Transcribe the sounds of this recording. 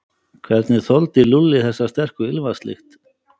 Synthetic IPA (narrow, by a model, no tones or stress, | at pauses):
kʰvɛɾt̪nɪθɔlt̪ɪlulːɪθɛsːast̪ɛr̥kʏɪlvast̪lɪ̰xt̪